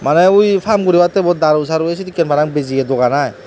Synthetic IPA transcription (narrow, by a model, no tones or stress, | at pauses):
manaujpʰamɡuɾiwatebɔdaɾɔs̬aɾues̬itikenpʰaɾaŋbeziedɔɡanaj